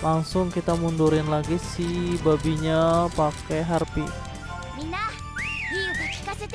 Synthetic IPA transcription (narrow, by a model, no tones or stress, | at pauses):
laŋsʊŋkit̪amunduɾɪnlaɡisibabiɲapakɛɦarpi | mina | ka